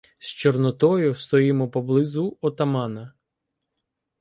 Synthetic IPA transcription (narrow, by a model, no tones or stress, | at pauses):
st͡ʃɔrnɔt̪ɔjʊst̪ɔjimɔpɔblˠɪzʊɔt̪ɐmɑnɐ